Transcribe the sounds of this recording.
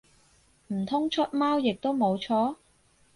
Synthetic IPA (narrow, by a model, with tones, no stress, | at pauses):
m̩˨˩t̪ʰʊ˥ŋt͡ʃʰɵ˥t̚maː˥wjɪ˨k̚t̪o˥wmo˨˧wt͡ʃʰɔː˥